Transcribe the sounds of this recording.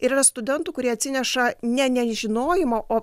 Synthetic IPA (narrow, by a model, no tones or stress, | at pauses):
ɪɾiːrɐst̪ʊd̪ʲɛnt̪uːkʊɾʲiɛɐt̪ʲsʲɪnʲɛʃɐnʲɛnʲɛʒʲɪnoːjɪmoʔoː